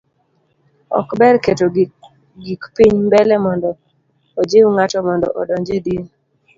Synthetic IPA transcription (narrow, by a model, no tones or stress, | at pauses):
ɔ̰kbɛrketo | ɡikpiɲmbɛlɛmɔndɔː | d͡ʒewŋatɔmɔndɔ̰ʔɔ̰dɔɲd͡ʒedi